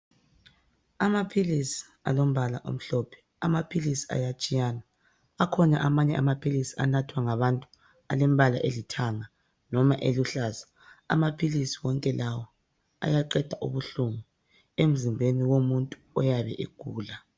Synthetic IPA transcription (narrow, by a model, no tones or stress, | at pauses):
amapʰilisi̥ | a̰lom̩βalaʔo̰m̩ɬɔːpʰɛ̥ | amapʰilisi̥a̰jat͡ʃʼijaːna | akʰɔnaʔamaɲɛamapʰilisi̥a̰natʰwaŋaβantʼu̥ | alem̩βala̰ʔelitʰaŋa | nɔmaʔeluɬaːzḁ | a̰mapʰilisiwɔŋkʼɛlawɔ | a̰jaǃɛd̥ʱaʔṵβuɬumu | em̩zimbʱeniwomuntʼuɔjaβɛ̰ʔiɡ̥ʱuːla